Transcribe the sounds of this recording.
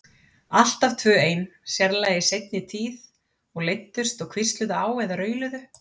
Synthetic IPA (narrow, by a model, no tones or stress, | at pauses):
al̥t̪avt̪ʰvœːeːjnsjɛɾlaːjɪsejt̪̚nɪt̪ʰiːð | ɔɣlejt̪ːʏrst̪ɔɣkʰvɪrst̪lʏðʏaːwvɛðaɾœːɥlʏðʏ